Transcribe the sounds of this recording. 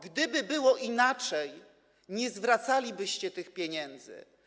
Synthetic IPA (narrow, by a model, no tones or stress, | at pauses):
ɡd̪ɘbɘbɘwɔʔinat͡ʂɛj | ɲɛzvɾat̪salʲibɘɕt͡ɕɛt̪ɘxpʲjɛɲɛnd̪zɘ̰